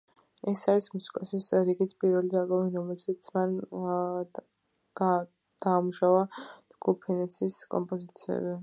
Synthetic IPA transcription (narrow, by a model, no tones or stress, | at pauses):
ɛsaɾismusi̥kʼɔsisɾiɡit̪ʰpʼiɾvɛlid̪albɔmiɾɔmɛlʃit̪sʰman | d̪̥aːmuʃavad̪̥ɡupʰɛnɛt̪sʰiskʼɔ̰mpʼɔzit̪sʰiɛ̰bi